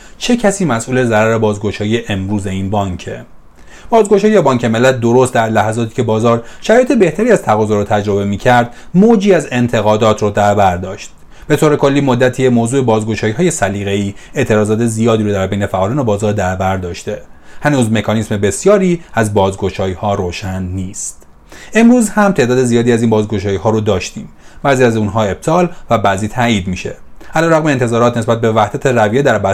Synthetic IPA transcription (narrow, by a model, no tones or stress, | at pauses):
t͡ʃʰe̞cʰæsiːmæsʔuːle̞zæɾæɾe̞bɒːzɡo̞ʃɒːjijeʔemɾuːze̞iːnbɒːŋcʰe̞̰ | b̥ɒːzɡo̞ʃɒːjijɛbɒːŋcʰe̞me̞lːæt̪̚d̪oɾost̪̚d̪æɾlæhæzɒːt̪ʰi̥ːcʰe̞bɒːzɒːɾʃæɾɒːjet̪ʰebe̞ht̪ʰæɾiæz̥t̪ʰæɣɒːzɒːɾɔːt̪ʰæd͡ʒɾo̞be̞miːcʰæɾd̪̥ | mod͡ʒiːæze̞nt̪ʰe̞ɣɒːd̪ɒːt̪ʰɾɔːd̪æɾbæɾd̪ɒːʃt̪̚ | b̥e̞t̪ʰoːɾe̞kʰo̞lːiːmod̪ːæt̪ʰijemoːzuːe̞bɒːzɡo̞ʃɒːjihɒːje̞sæliːɣe̞iːe̞ʔt̪ʰe̞ɾɒːzɒːt̪ʰe̞zijɒːd̪iːɾoːd̪æɾbejne̞fæʔɒːliːnobɒːzɒːɾd̪æɾbæɾd̪ɒːʃt̪e̞hænuːzme̞kʰɒnisme̞be̞sjɒːɾiːæzbɒːzɡo̞ʃɒːjiːhɒːɾoːʃænːiːst̪ | e̞mɾuːzhæmt̪ʰe̞ʔd̪ɒːd̪e̞zijɒːd̪iːæziːnbɒːzɡo̞ʃɒːjihɒːɾod̪ɒːʃt̪ḭːm | bæːziːæzunɦɒːe̞b̥̚t̪ʰɒːlvæbæziːt̪ʰæːʔiːd̪miːʃe̞̰ælɒːɾæɣmeːnt̪ʰe̞zɒːɾɒːt̪nes̬bæt̪̚be̞væhd̪æt̪ʰe̞ræviːed̪æɾbæ